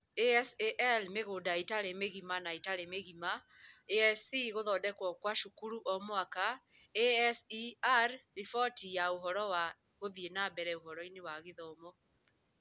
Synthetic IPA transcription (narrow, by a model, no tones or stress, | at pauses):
eɛseʔɛlmeɣodaitaɾemeɣimanaitaɾemeɣima | eɛsiɣoðɔːdɛkwɔkwaʃukuɾuʔɔmoaka | eɛsiaɾɾifɔtijaoɦɔɾɔwa | ɣoðienabɛɾɛoɦɔɾɔinewaɣeðɔmɔ